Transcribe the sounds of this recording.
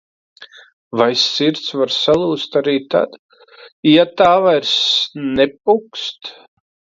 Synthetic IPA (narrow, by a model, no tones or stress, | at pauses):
vajsiɾt̪svaɾsalˠuːst̪aɾiːt̪a̰d̪̥ | jat̪aːvajɾsnɛp̚ukst̪